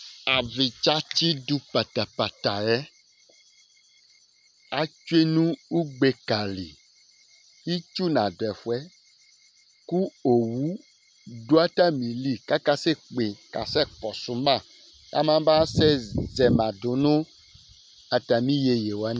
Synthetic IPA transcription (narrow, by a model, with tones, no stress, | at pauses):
a˨vi˨t͡ʃa˦t͡ʃi˦du˦pa˨t̪a˨pa˨t̪a˨ɛ˦ | a˨t͡ʃu˦e˦nũ˦u˦ɡ͡be˨ka˨lḭ˨ | i˦t͡ʃu˦nã˨do˨ɛ˨fu˦ɛ˦ | ku˦o˨wu˦ | do˦a˦t̪a˦mĩ˨li˦ka˦ka˦se˦k͡pe˨ka̰˨sɛ˦kɔ˨su˨mã˦˨ | a̰˨mã˦ba˦sɛ˦zɛ˨mã˨do˨nõ˦ | a˨t̪a˨mĩ˦je˨je˨wo˨a˦n˨˦